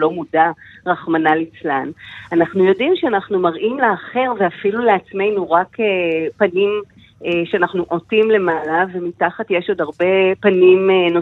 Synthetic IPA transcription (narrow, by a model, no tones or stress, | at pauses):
lo̞mudaʁaχmanalit͡slananaχnujo̞dimʃeanaχnumaʁʔimleaχe̞ʁveafiluleat͡sme̞jnuʁakepanim | eʃeanaχnuʔo̞timle̞malave̞mitaχatje̞ʃodaʁbe̞panimno